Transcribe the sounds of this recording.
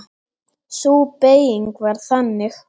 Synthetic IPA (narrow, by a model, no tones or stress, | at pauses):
suːpeːjiŋkvaɾ̥θanːɪx